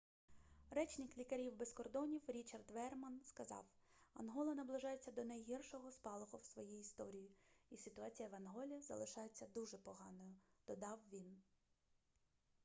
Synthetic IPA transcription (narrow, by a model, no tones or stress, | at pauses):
rɛt͡ʃnɪklʲikɐɾʲiwbeskɔrd̪ɔnʲiwɾʲit͡ʃɐrd̪ʋɛrmɐnskɐzɑ̰wɐ̰nɦɔlˠɐnɐblˠɪʒɑjet͡sʲːɐd̪ɔnɐjɦʲirʃɔɦɔspɑlˠɔɦɔwsʋɔjijːst̪ɔɾʲijiisɪt̪ʊɑt͡sʲijɐʋɐnɦɔlʲizɐ̰lˠɪʃɑjet͡sʲːɐd̪uʒɛpɔɦɑnɔjʊd̪̥ɔd̪ɑwʋʲin